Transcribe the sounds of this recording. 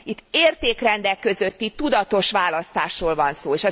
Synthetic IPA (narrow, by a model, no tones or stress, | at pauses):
it̪ːeːrt̪eːkrɛnd̪ɛkːø̞zø̞t̪ːit̪ud̪ɒt̪o̞ʃʋaːlɒst̪aːʃroːlvɒnsoːeːʃɒ